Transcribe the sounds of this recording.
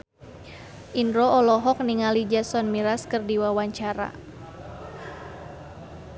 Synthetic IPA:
ʔindɾɔɔlɔɦɔk̚niŋalid͡ʒasɔnmiɾaskərdiwawaɲt͡ʃaɾa̰

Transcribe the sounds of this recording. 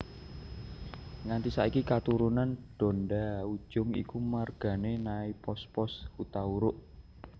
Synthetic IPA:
ŋant̪isaikikat̪uɾunanɖ̥o̤ndau̥ʒ̥ʊŋḭkumarɡ̥a̤nenaipɔspɔshut̪auɾʊʔ

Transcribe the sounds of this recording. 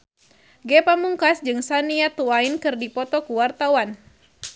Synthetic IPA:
ɡɛpamuŋkasd͡ʒɨŋsaniat̪uainkɨrdipɔt̪ɔkuwart̪awan

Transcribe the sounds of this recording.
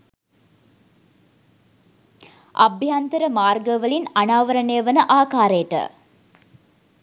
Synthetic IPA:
a̰bʱjant̪əɾəmaːrɡəʋəlinanaːʋəɾənejəʋənəʔaːkaːɾejəʈə̰

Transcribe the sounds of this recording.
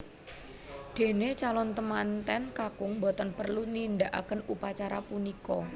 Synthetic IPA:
d̪̥e̤net͡ʃalɔnt̪əmant̪ɛnkakʊŋbɔt̪ɔnpərlunind̪aʔa̰kənupat͡ʃaɾapunikɔ

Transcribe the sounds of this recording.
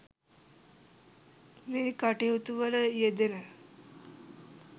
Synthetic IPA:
meːkaʈeɦut̪uʋələjed̪enə

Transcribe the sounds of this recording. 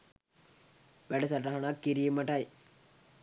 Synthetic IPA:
ʋæɖɐs̬ɐʈɐɦɐnakːiɾijemɐʈɐj

